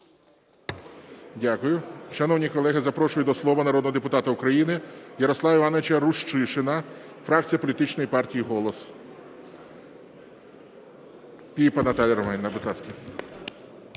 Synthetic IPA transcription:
dʲakʊjʊʃɐnɔwnʲikɔlˠɛɦɪzɐpɾɔʃʊjʊd̪ɔslˠɔʋɐnɐɾɔd̪nɔɦɔd̪epʊt̪ɑt̪ɐʊkɾɐjinɪjɐɾɔslˠɑʋɐiʋɑnoʋɪt͡ʃɐɾuʃt͡ʃɪʃɪnɐ | fɾɑk̚t͡sʲijɐpɔlʲit̪ɪt͡ʃnɔjipɑrtʲijiɦɔlˠɔs | pʲijipɐnɐt̪ɑlʲɐɾɔmɛnʲnɐbɾɪt̪ɑskʲi

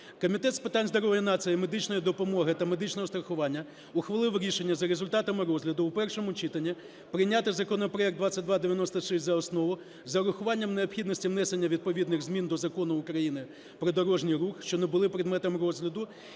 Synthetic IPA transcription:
kɔmʲit̪ɛt̪spɪt̪ɑnʲzd̪ɔɾɔʋjɐnɑsɨjmed̪ɪt͡ʃnɔjid̪ɔpɔmɔɦɪt̪ɐmed̪ɪt͡ʃnɔɦɔst̪ɾɐxʊʋɑnʲːɐ | uxʋɐlˠɪwɾʲiʃenʲːɐzɐɾezʊlʲt̪ɑt̪ɐmɪɾɔzɦlʲɐd̪ʊwpɛrʃɔmʊt͡ʃit̪ɐnʲːi | pɾɪjnʲat̪ɪzɐkɔnɔpɾɔɛk̚d̪ʋat͡sʲːɐt̚ʲd̪ʋad̪eʋʲjɐnɔst̪ɐʃɪsʲzɐɔsnɔʋʊ | zɐɾʊxʊʋɑnʲːɐmneɔpxʲid̪nɔsʲtʲiwnɛsenʲːɐʋʲid̪̚pɔʋʲid̪nɪɣzmʲind̪ɔzɐkɔnʊːkɾɐjinɪ | pɾɔd̪ɔɾɔʒnʲijɾuxʃt͡ʃɔnebʊlˠɪpɾʲɪd̪mɛt̪ɐmrɔzɦlʲɐd̪ʊ

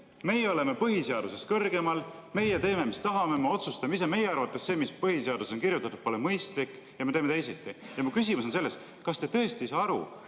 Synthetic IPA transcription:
me̞jeo̞le̞me̞pɤɦise̞ɑd̪̥use̞skɤrɡe̞mɑlme̞jet̪e̞ːme̞mist̪ɑɦɑmemeo̞t̪sust̪ɑmis̬ɑme̞jeɑɾvɑt̪ːˑesse̞ːmispɤhiseɑd̪̥uso̞nkiɾjut̪ːˑɑt̪ud̪̥polemɤjst̪likːˑ | jɑmet̪e̞ːmet̪e̞js̬et̪ːˑijɑmukys̬imuso̞ns̬e̞lːe̞s | kɑst̪e̞t̪ɤ̞e̞st̪iis̬ɑɑɾṵ

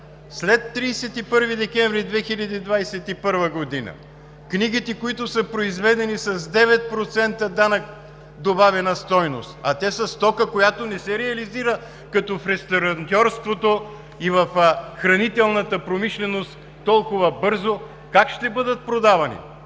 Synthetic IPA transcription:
slɛt̪ːɾiːsɛt̪ipɤɾvid̪ɛk̟ɛ̃ɱvɾid̪vɛxilʲɐd̪iːd̪vajsɛt̪ipɤɾvəɡod̪inə̰ | kniɡ̟it̪ɛkoit̪ʊsəpɾoizvɛd̪ɛnisɐzd̪ɛvɛt̪̚pɾot̪sɛnt̪əd̪anək̚ | d̪obavɛnəst̪ɔjno̰st̪ɐt̪ɛsəst̪ɔkəkojat̪onɛsɛɾɛɐliziɾə | kɐt̪ɔfɾɛst̪oɾɐnt̪ʲɔɾst̪vot̪o | ivɐfxɾɐnit̪ɛlˠnət̪əpɾomiʃlɛnost̪ːɔlˠkʊvəbɤɾzo | kakʃt̪ɛbɤd̪ət̪̚pɾod̪avɐnḭ

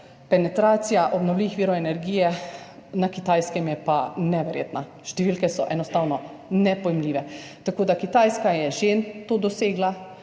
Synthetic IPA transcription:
pɛnɛt̪ɾaːt̪sijaʔɔbnɔwliːʋixʋiːɾɔɛnɛɾɡiːjɛnakit̪aːjskɛmjɛpanɛʋɛɾjḛːt̪na | ʃt̪ɛʋiːlkɛsɔʔɛnɔst̪aːwnɔ | nɛpɔjmliːʋɛt̪akoːd̪akit̪aːjskajɛʒeːnt̪oːd̪ɔseːɡla

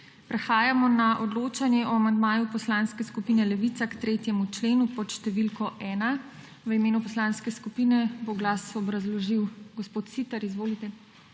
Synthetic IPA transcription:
pɾɛxaːjamɔnaʔɔd̪loːt͡ʃanjɛʔɔamand̪maːjupɔslaːnskɛskupiːnɛlɛʋiːt̪sakt̪ɾeːt̪jɛmut͡ʃleːnupɔt̪ʃt̪ɛʋilkɔʔɛːna | ʋəimeːnupɔslaːnskɛskupiːnɛboɡlaːsɔbɾazlɔʒiwɡɔspoːt̪siːt̪ɐɾizʋoːlit̪ɛ

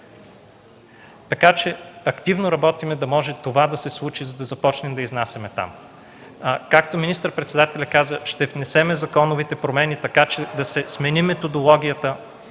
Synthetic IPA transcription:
t̪ɐkat͡ʃɛɐkt̪ivnoɾɐbɔt̪imɛd̪ɐmɔʒɛt̪ovad̪ɐsɛslˠut͡ʃizɐd̪ɐzɐpɔt͡ʃnɛmd̪ɐiznasʲɛmɛt̪a̰m | kakt̪ominist̪əɾpɾɛt̪sɛd̪at̪ɛlʲɐkazəʃt̪ɛvnɛsɛmɛzɐkɔnovit̪ɛpɾomɛnit̪ɐkat͡ʃɛd̪ɐsɛsmɛnimɛt̪od̪olˠɔɡ̟ʲiət̪ə

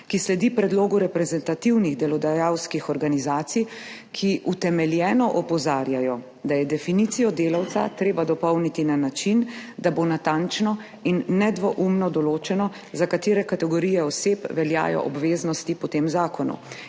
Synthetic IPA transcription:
kislɛd̪ipɾɛd̪loːɡuɾɛpɾɛzɛnt̪at̪iwniɣd̪ɛlɔd̪ajawskixɔɾɡanizaːt̪sij | kʰiʔut̪ɛmɛljɛːnɔʔɔpɔzaːɾjajɔ | d̪ajɛd̪ɛfinit̪sijɔd̪eːlawt̪sa̰t̪ɾeːbad̪ɔpɔwnit̪inanat͡ʃind̪abonat̪ant͡ʃnɔ | inːɛd̪ʋɔʔumnɔd̪ɔloːt͡ʃɛnɔ | zakat̪eːɾɛkat̪ɛɡɔɾijɛɔseːpʋɛlja̰ːjɔ̰ʔɔbʋeːznɔst̪ipɔt̪eːmzaːkɔnṵ

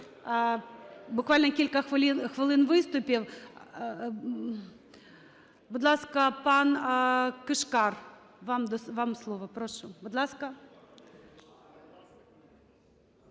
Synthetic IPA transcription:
bʊkvalʲnɐkʲilʲkɐxɨlʲinxvɨlˠɨnvɨst̪ʊpʲiw | bʊd̪lˠaskɐpankɨʂkar | vamd̪ɔvamslˠovɐpɾoʂʊbɔd̪lˠaskɐ

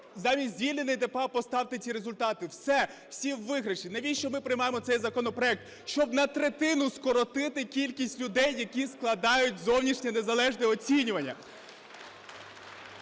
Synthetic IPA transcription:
zɑmʲizʲzʲʋʲilʲnenɪjd̪epɑpɔst̪ɑwt̪ɪt͡sʲiɾe̞zʊlʲt̪ɑt̪ɪwsɛwsʲiwːɪɦɾɐʃinɐʋʲiʃt͡ʃɔmɪpɾɪjmɑjemɔt̪sɛjzɐkɔnɔpɾɔɛk̚t̪ | ʃt͡ʃɔbnɐt̪ɾet̪ɪnʊskɔɾɔt̪ɪt̪ɪkʲilʲkʲisʲtʲlʲʊd̪ɛjːɐkʲisklˠɐd̪ɑjʊt̚ʲzɔwnʲiʃnʲɛne̞zɐlˠɛʒnɛɔt͡sʲinʲʊʋɐnʲːɐ̰

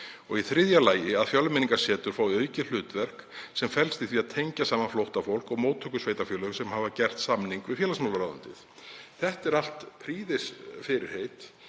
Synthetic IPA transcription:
ɔɣiθɾɪðjalaːjɪaðfjœlʏmɪniŋkḁsɛːt̪ʏɾ̥faːwœːɥcɪl̥ʏːt̪vɛr̥ksɛmfɛlst̪iθviːaðt̪ʰejɲcasaːmanflowht̪afowl̥kɔɣmoːwt̪ʰːœːkʏsveːjt̪afjœːlœɣsɛmɦaːvacɛr̥t̪samniŋkvɪðfjɛːlasmawlʏɾaːðʏ̰nt̪ɪθθɛht̪ɛɾal̥t̪pʰɾiːðɪsfɪɾɪɾ̥heːjt̪

